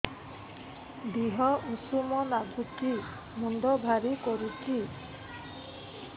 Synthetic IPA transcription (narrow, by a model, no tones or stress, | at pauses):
diɦɔusumɔnaɡʱuti | munɖ̪ɔbʱaɾikɔɾuti